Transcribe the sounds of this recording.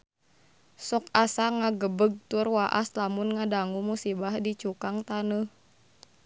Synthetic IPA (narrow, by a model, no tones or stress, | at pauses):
sɔkasaŋaɡəbəɡ̚t̪urwaʔa̰slamunŋadaŋumusibahdit͡ʃukaŋt̪anəh